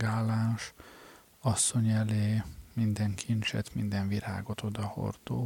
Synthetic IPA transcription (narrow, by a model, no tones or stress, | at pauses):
aːlaːʃ | ɒsːo̞ɲɛleːmind̪ɛŋkʰint͡ʃɛ̰t̪mind̪ɛɱviɾa̰ːɡo̞t̪o̞d̪ɒho̰rd̪o̰ː